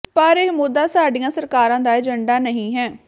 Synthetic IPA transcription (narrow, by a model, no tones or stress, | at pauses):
pəɾemʊd̪aːsaːɖijãːsəɾkaːɾãːd̪aːɛd͡ʒəɳɖaːnəɦĩːɦɛː